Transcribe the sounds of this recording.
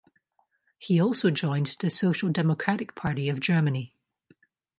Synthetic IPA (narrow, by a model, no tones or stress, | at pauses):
hiɔlˠsod͡ʒɔ̃ɪ̃nðəsoʃəlˠdɛməkʰɹ̥aʔɪk̚pʰaɹʔiəvd͡ʒɜ˞məni